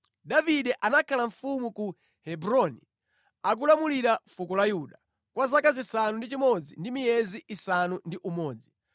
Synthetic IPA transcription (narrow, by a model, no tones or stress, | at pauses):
ɗaviɗɛʔanakʰalaɱfumuku | hɛbɾɔnḭ | ak̬ulamuliɾafukɔlajuɗa | kwazakazisanundit͡ʃimɔd͡zindimijɛziʔːsanundiʔumɔːd͡zi